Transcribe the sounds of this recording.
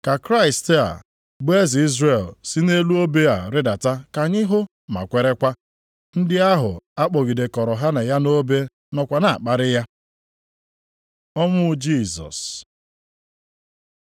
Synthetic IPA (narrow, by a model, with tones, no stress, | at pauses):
ka˨kɾa˦ɪ˨sta̰˨ | bʊ˦e˦zi˦zɾe˨lsɪ˦ne˦lu˦o˦be˦a̰˨ɾɪ˦da˨ta˦ka˨ɲɪ˦ɦʊ˦ | ma̰˨kʷe˦ɾe˦kʷa˦ | n̩˦dɪ˦a˦ɦʊ̰˨a˦k͡pɔ˨ɡi˨de˨kɔ˨ɾɔ˨ɦa˦na˨ja˦no˦be˦ | nɔ˨kʷa˨na˨a̰˨k͡pa˦ɾɪ˦ja˦ | ɔ˦mʊ˦d͡ʒi˦˨zɔ̰˨s